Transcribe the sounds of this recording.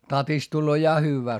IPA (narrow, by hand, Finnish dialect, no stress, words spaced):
tɑtist tulːoː jɑ hyːʋːæː